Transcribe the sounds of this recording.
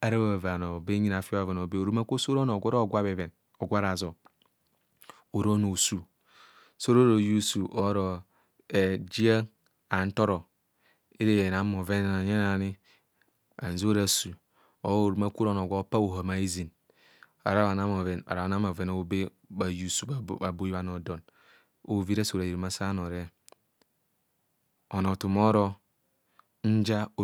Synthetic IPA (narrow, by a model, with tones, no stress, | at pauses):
a˨ɾa˦a˦a˨va˨no˨be˦ɲi˦na˨fi˦o˦a˦˨ve˨no˨be˦o˨ɾu˦ma˦ko˦so˦ɾo˦no˨ɡʷo˦ɾo˦˨ɡʷa˦be˨ve˨n | o˨ɡʷa˦ɾa˨zo˨ | o˨ɾo˦no˨su˦ | so˦ɾo˦ɾo˨ju˦su˨ʔo˦ɾo˨ | e˨d͡ʒi˦a˦ | a˨n̩˦to˦ɾo˨ | e˦ɾe˦˨e˨na˨˦m˦˨o˨ve˦n˦a˨ɲe˦n˦a˨ni˦ | a̰˨n˨zo˦ɾa˨su˨ | o˨˦˨ɾma˦ku˦ɾo˦˨no˨ɡo˦pa˦o˨ɦa˨ma˨i˦zi˨n | a̰˨ɾa˦a˨na˦m˨e˨na̰˨ɾa˨a˨na˦mo˨ve˨no˦be˦ | ba˨ju˨su˨a˨bo˦i˦βa˦no˨do˨n | o˨vi˦ɾa˦su˨ɾa˨i˨ɾma˦sa˦no˨ɾe˦ | o˨no˨tu˨mo˦ɾo˦ | n̩˦d͡ʒa˦˨